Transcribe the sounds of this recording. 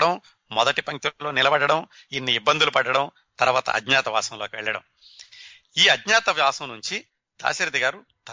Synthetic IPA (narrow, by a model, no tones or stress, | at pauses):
ɽɐm | mɔd̪ɐʈipɐŋkilo̞ːnilɐbɐɽɐɽɐm | inːiibːɐnd̪ulupɐɖɐɽɐm | t̪ɐɾuʋaːt̪ɐ̰ʔɐ̰d̪ɲaːt̪ɐʋaːsɐmlo̞ːkiʋɛ̰ɭːɐɽɐ̰m | iːɐd̪ɲaːt̪ɐʋjaːsɐmnuɲt͡ʃi | d̪̥a̰ːʃɐɾɐd̪iɡaːɾu | t̪ɐ